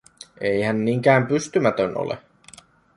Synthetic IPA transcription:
ʔejhænːiŋk̟æːmpyst̪ymæt̪øno̰lḛ

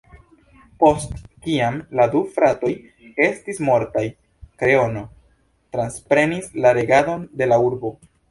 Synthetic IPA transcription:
po̞stkiamladufɾato̞j | e̞stismo̞ɾtaj | kɾe̞o̞no̞ | tɾanspɾe̞nislaɾe̞ɡado̞nde̞lauɾbo̞

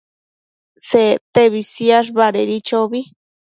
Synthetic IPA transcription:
set̪eβisiaʐ̬baɾeɾit͡ʃoβi

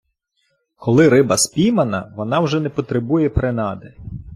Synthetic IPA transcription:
kɔlˠɪɾɪbɐspʲijmɐnɐʋɔnɑwʒɛnɛpɔt̪ɾebujɛpɾenɑd̪ɛ

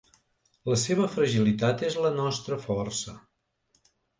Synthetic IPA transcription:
ləseβ̞əfɾəʒilit̪at̪ezlənɔst̪ɾəfɔrsə

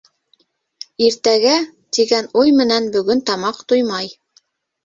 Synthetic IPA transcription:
iɾt̪æɡæ | t̪iɡænujmɘ̆nænbɵ̆ɡɵnt̪ɑmɑqt̪ujmɑj

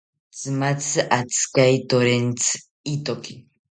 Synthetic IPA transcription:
t͡sɨmat͡sɨʔat͡skajt̪oɾent͡sʰ | it̪oki

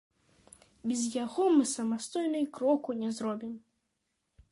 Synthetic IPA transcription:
bʲɛzjaɣɔmɨsɐmast̪ɔjnɨjkɾɔkunʲɛzɾɔbʲim

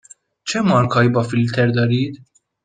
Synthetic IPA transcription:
t͡ʃɛmːɐɾkʰɐjbɐfɪlt̪ʰɛɾd̪ɐɾiːd̪

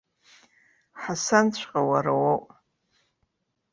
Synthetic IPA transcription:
ħasant͡ɕʷʰqʼawaɾawowʔʼ

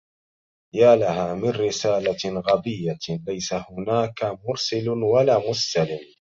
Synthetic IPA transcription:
jaːlahaːmɪnɾɪsaːlaɣabɪjːalajsahʊnaːkamʊɾsɪlʊnwalaːmʊsalɪm

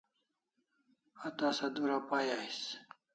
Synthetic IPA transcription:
at̪aːsad̪uɾapajais

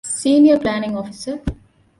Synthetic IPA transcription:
siːniəɾplæːnɪ̃ŋɔːfisə

